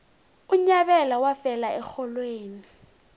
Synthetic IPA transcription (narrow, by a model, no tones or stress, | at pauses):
uɲaɓɛlawafɛlaɛxɔlweːni